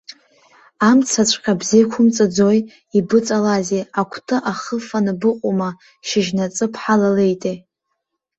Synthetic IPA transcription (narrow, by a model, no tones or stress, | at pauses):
amt͡sʰat͡ɕʷʰʼqʲʼabzekʷʰʊmt͡sʼad͡zoj | ibɨt͡sʼalazeakʷʰtʰʼɨʔaχəfanɨbɨqʷʼuma | ʃɪʒnat͡sʼɨpʰħalalejtʼe